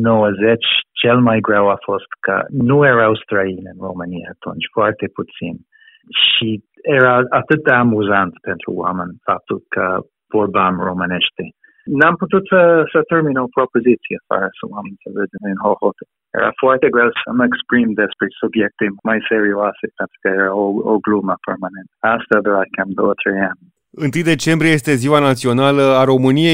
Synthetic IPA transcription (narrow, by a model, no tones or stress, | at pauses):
noəzɛt͡ʃt͡ʃɛlmajɡɹawafɔst̪kʰə̰nuɛɹaawst̪ɾainənɹomania̰t̪ʰɔ̰nt͡ʃfwɛɹt̪epʰut͡sin | ʃi | ɛɹaat̪ɨt̪əamuzant̪pɛnt̪ɾṵwa̰mənfap̚t̪ulkʰə̰ | b̥ɔɹbamɹomanɛʃt̪e | namput̪ut̪səsət̪erminopɾopozit̪siefa̰ɾəsəwamenʲsəved̪eninɦohot̪e | jḛɾa̰fwart̪eɡɾesəmekspɾimd̪espɾesubjek̚t̪emmajseɾioasepent̪ɾu̥kəeɾaooɡluməpermanẽnt̪ast̪ad̪eɾakamd̪oət̪ʰɾean | ɨnt̪ɨjd̪e̞t͡ʃe̞mbɾijeje̞st̪e̞ziwanat̪sio̞naləaɾo̞mɨnije̞j